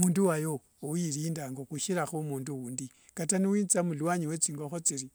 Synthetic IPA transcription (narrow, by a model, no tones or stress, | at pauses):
muːnduwajoː | jiɾiːndaŋɡokuʃiɾaxomuːnduwuːndi | kataniwiːnt͡samulwaɲiwet͡siːŋɡoxot͡siɾi